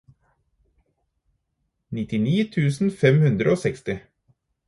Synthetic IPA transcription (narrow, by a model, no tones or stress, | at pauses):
nɪt̪ɪniːt̪ʰʉːsn̩fɛmhʉnd̪ɾəoːsɛkst̪ɪ